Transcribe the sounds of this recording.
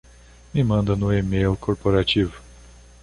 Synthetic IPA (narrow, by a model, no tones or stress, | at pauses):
mɪmɐ̃nd̪ɐnʊemejʊkʰoɾpoɾat͡ʃivʊ